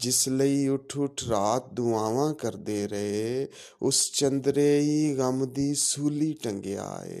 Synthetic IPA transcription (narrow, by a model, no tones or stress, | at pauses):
d͡ʒɪsləiːʊʈʰʊʈʰɾaːt̪̚d̪ʊãːʋãːkəɾd̪eːɾəɦeː | ʊst͡ʃənd̪ɾeːɦiːɣəmd̪iːsuːliːʈəŋɡea̰ːḛː